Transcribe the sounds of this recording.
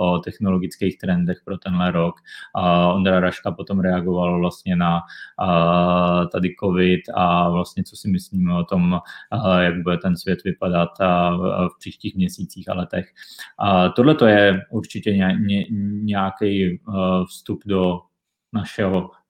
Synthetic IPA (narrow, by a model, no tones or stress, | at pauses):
ot̪ɛxnoloɡɪt͡skɛːxt̪ɾɛndɛxpɾot̪ɛnɦlɛɾok | ond̪ɾaɾaʃkapot̪omɾɛaɡo̞valvlast̪ɲɛna | t̪adɪkovɪt̪avlast̪ɲɛt͡sosɪmɪsliːmɛot̪o̞m | jaɡ̚budɛt̪ɛnsvjɛt̪vɪpadat̪ | fpr̝̥iːʃciːxmɲɛsiːt͡siːxa̰lɛt̪ɛx | t̪odlɛt̪o̞jɛuɾt͡ʃɪcɛɲɛɛɲɛjakɛjfst̪updo | naʃɛɦo